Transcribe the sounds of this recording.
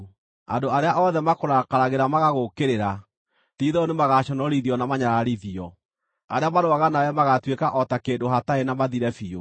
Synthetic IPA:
a̰ndoaɾeaʔɔðɛmakoɾakaɾaɣeɾamaɣaɣokeɾeɾa | tiðɔnemaɣaɕɔnɔɾiðiɔnamaɲaɾaɾiðiɔ | aɾeamaɾoaɣanajɛmaɣatwekaʔɔtakeːndoɦataenamaðiɾɛfio

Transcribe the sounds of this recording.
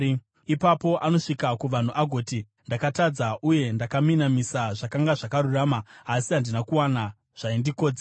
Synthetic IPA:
ipapo̞ʔano̞ʂikakuʋan̤uʔaɡʱo̞ːti | ndakatad͡zaʔuje̞ndakaminamisaʐakaŋɡaʐakaɾuraːmaːsiɦandinakuwana | ʐ̥aindiko̞ːd͡ze

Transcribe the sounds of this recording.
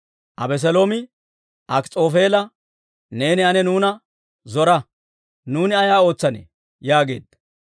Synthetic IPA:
ʔɐbɛs̬ɛlo̞ːmɪ | ʔɐkt͡sʼo̞ːfeːlɐ | ne̞ːnɪɐnɛnuːnɐ | zɔɾɐ | nuːnɪɐjaːo̞ːt͡sːɐnḛ | jaːɡe̞ːd̪ːɐ

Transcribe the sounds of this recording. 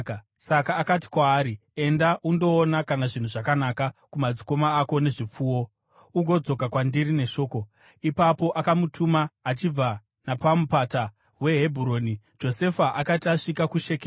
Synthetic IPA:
sakaːkat̬i̥kwaːɾie̞ndaʔundo̞ːnakanaʐin̤uʐakanakakumad͡ziko̞maːko̞ne̞ʐip͡fuːwo̞ | uɡʱo̞d͡zo̞kakwandiɾine̞ʃo̞ːko̞ | ipapo̞ʔakamutʰumaːt͡ʃib͡va | napamupata | we̞ɦe̞bʱuɾo̞ːni | d͡ʒo̞se̞faʔakataʂikakuʃeke

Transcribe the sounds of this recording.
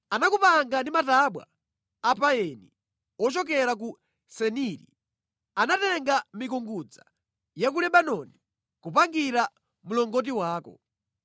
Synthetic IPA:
anakupaŋɡandimataɓwa̰ː | paɛni | ɔt͡ʃɔkɛɾak̬u | sɛniɾḭ | anatɛŋɡamikuŋɡud͡za̰ | jak̬ulɛɓanɔni | kupaŋɡiɾa | mulɔŋɡɔt̬iwaːkɔ̰

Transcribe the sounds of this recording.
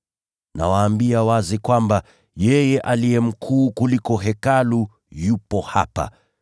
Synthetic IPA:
na̰waːmbiawazikwamba | jɛjɛʔalijɛm̩kʰuːkulikɔɦɛkalu | jupɔha̰pa̰

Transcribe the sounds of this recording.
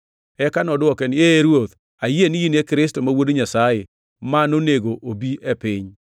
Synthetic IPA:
ɛkanɔdɔkɛnɪeɾwot̪ | ajenɪjinekɾɪstomawodiɲasaje | manoneɡoʔobiʔepɪɲ

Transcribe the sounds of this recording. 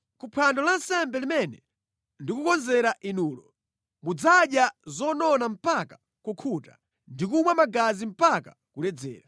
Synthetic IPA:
kupʰandɔlansɛmbɛlimɛnɛ | ndikukɔnzɛɾaʔinuːlɔ | mud͡zaɗjazɔnɔnam̩paka | kukʰuta̰ | ndik̬umwamaɡazim̩paka | kulɛd͡zɛ̰ːɾa

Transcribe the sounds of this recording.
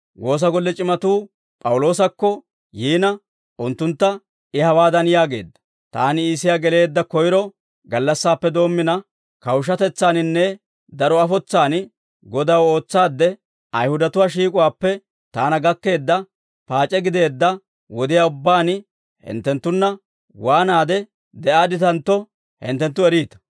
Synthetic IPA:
wo̞ːs̬ɐɡɔlːɛt͡ʃʼɪmɐt̪uː | pʼɐwʊlo̞ːsɐkːɔ | jiːnɐ | ʔʊnt̪ːʊnt̪ːɐ | ɪhɐwaːd̪ɐnjaːɡe̞̰ːd̪ːɐ̥ | t̪a̰ːnɪiːsɪjaɡɛle̞ːd̪ːɐkɔjɪɾɔ | ɡɐlːɐsːaːpːɛd̪o̞ːmːɪnɐ | kɐwʃ̬ɐt̪ɛt͡sːaːnɪnːɛ | d̪ɐɾɔɐfɔt͡sːaːn | ɡɔd̪ɐwo̞ːt͡sːaːd̪ːɛ | ɐjhʊd̪ɐt̪ʊwaːʃ̬iːkʼʊwaːpːɛ | t̪aːnɐɡɐkːe̞ːd̪ːɐ | paːt͡ʃʼːɛɡɪd̪e̞ːd̪ːɐ | wɔd̪ɪjaːʊbːaːn | hɪ̰nt̪ːɛnt̪ːʊnːɐ | waːnaːd̪ɛ | d̪ɛʔaːd̪ɪt̪ɐnt̪ːɔ | hɪ̰nt̪ːɛnt̪ːʊɛɾiːt̪ɐ̥

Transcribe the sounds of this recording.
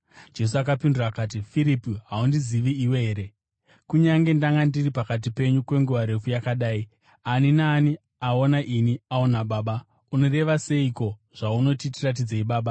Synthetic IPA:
d͡ʒe̞s̬uakapindurakaːt̬ifiɾipiɦaundiziʋiːwe̞ɦeːɾe̞ | kuɲaŋɡe̞ndaŋɡandiripakat̬ipe̞ɲukwe̞ŋɡuʋaɾe̞fujakaɗaːi | aninaːni | ao̞naʔiniao̞naɓaːɓa | uno̞re̞ʋase̞iko̞ʐ̥auno̞titirat̬id͡zeiɓaːɓa

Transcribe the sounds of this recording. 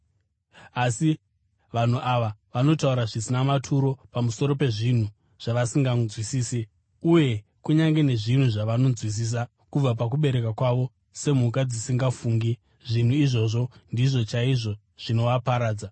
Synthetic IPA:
asi | ʋan̤uʔaʋaʋano̞tauɾaʐisinamatʰuɾo̞pamuso̞ɾope̞ʐin̤u | ʐ̥aʋasiŋɡazwisiːse | uje̞ | kuɲaŋɡe̞ne̞ʐin̤uʐaʋano̞nd͡zwis̬iːs̬a | kub͡vap̬ak̬uɓe̞ɾe̞kakwaʋo̞ | se̞m̤uk̬ad͡zisiŋɡafuːŋɡi | ʐin̤uiʐo̞ʐo̞ndiʐo̞t͡ʃaiʐo̞ | ʐ̥ino̞ʋapaɾaːd͡za

